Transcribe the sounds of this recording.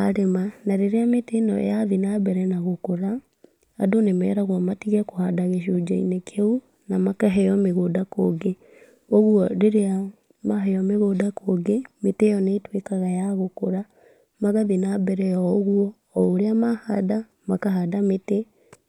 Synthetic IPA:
aɾemanaɾeɾeametenɔ̰jaðinabɛɾɛnaɣokoɾa̰ː | donemɛ̰ːɾaɣwamatiɣɛkohadaɣeʃ̬od͡ʒaḭnekʰeu | namakaɦɛjɔmeɣoːdakoɡe | oɣwɔɾeɾea | maɦɛjɔmeɣodakoɡemetejɔneːtwekaɣajaɣokoɾa | maɣaðinabɛɾɛjɔoɣuɔː | oɾeamahada | makaɦadamete

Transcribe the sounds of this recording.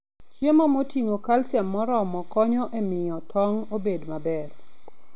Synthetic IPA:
t͡ʃemamotiŋokalsɛmːɔɾɔmɔkɔɲɔʔemɪjɔtʰɔŋobedmabɛr

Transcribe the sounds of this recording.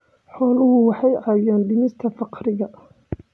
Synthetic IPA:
ħɔːlʊɦʊwɑħɑjʔɑːjaːnɖɪnɪst̪ʰɐfɑqɾɪɣɐ

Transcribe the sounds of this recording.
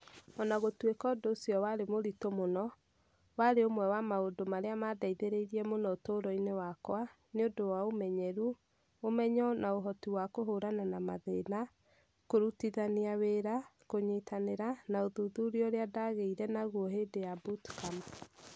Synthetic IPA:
ɔnaɣotwekɔdoːsjɔwaɾemoɾitomonɔ | waɾeomwɛwamaodomaɾeamadaiðeɾeiɾiɛmonɔotoɾɔinewakwa | neodowaomɛɲɛɾu | omɛɲɔnaoɦɔtiwakoɦoɾananamaðena | koɾutiðaniaweɾakoɲetʰaneɾanaoðuðuɾiɔoɾeadaɣeiɾɛnaɣuɔɦeːdejabutkama

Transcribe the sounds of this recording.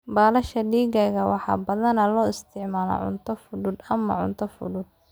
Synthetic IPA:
baːlɐʃɐɖiːɣɐːɣɐwɑħɑ̰ːbɐðɐnɐlɔːɪst̪ʰɪʕmaːlɔ̰ʕʊ̰nt̪ʰɔfʊðʊd̪ɐmɐ̰ʕʊ̰nt̪ʰɔfʊ̰ðʊd̪

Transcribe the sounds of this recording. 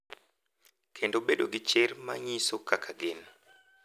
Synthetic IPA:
kʰendobeɗoɡɪt͡ʃerma̰ɲisokakʰaɡɪn

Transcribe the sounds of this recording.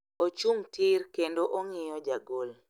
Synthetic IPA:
ot͡ʃuŋtʰɪɾkendoʔoŋɪjɔd͡ʒaɡol

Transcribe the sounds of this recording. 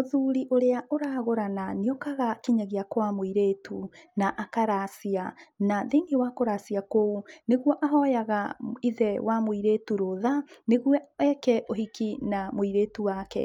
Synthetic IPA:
oðuɾiʔoɾeaʔoɾaːɣoɾananeɔkaɣakiɲaɣeakwamoiɾeːtʰunaʔakaɾaːsianaðeŋewakoɾasiakouneɣwɔʔaɦɔjaɣaiðɛwʔamoiɾeːtuɾoðaneɣwɔɛkɛʔoɦikinamoiɾeːtuwakɛ̰

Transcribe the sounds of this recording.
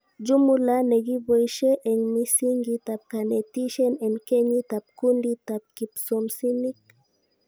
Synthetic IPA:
d͡ʒumulaneɡibojʃeʔeŋmisiŋɡit̪ap̚kanet̪iʃenenkeɲit̪ap̚kund̪it̪ap̚kipsomsinik

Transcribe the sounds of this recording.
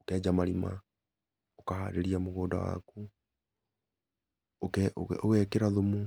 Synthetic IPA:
okɛːd͡ʒamaɾima̰ | okaha̰ːɾeɾiamoɣoːda̰wa̰ku | okɛo̰owɛkeɾaðomu

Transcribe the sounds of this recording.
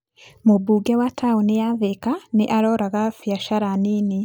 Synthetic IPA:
mobuːɡɛwatʰauneaðekaneʔaɾɔɾaɣafjaʃaɾanine

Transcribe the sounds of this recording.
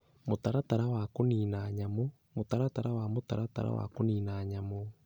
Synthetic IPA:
motaɾataɾawakoninaɲamo | motaɾataɾawamotaɾata̰ɾa̰wa̰koniːnaɲamo

